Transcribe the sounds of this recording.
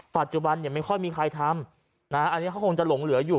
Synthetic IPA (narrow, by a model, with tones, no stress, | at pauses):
pa˨˩t̪̚t͡ɕu˨˩ba˧nːi˨˩ma˥˩jxʰɔ˥˩jmiː˧kʰa˧jt̪ʰa˧m | na˦˥ʔa˧nːi˦˥kʰa˥wkʰo˧ŋt͡ɕa˨˩lo˨˩˦ŋlɯ˩˦ɐjuː˨˩